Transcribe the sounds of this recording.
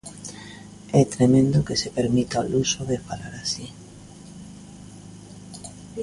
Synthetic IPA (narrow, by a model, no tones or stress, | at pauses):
ɛt̪ɾemẽnd̪okesepeɾmit̪aolusoðefalaɾasi